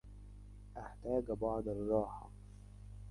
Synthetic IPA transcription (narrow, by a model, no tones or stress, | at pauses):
ʔaħt̪aːɡbɑʕd̪ɑrˤːɑːħɑ̰